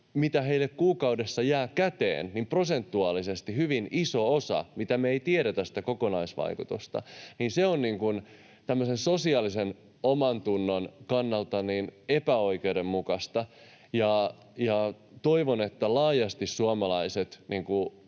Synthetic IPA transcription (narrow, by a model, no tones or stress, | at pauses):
mit̪æhe̞ilːekkuːkɑudesːɑjæːkæt̪ḛːnnimprosent̪ːuɑːlisest̪ihyʋinisoosɑ̰mit̪æmeeit̪ieɾet̪æsi̥t̪ækokonɑisʋɑ̰ikut̪ust̪ɑ̰niːnseonniːŋkun | t̪æmːøsensosiɑːlisen | omɑnt̪unːonkɑnːɑlt̪ɑninepæo̞ikeudemmukɑst̪ɑ | jɑ | jɑ | t̪oiʋonet̪ːælɑːjɑst̪issuɑmɑlɑiset̪niːŋku